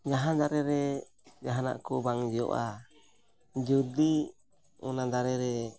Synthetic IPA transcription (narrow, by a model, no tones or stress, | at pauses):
d͡ʒaɦand̪aɾɛɾɛ | d͡ʒaɦana̰ʔkubaŋd͡ʒiɔ̰ʔa | d͡ʒudi | ṵnad̪aɾɛɾɛ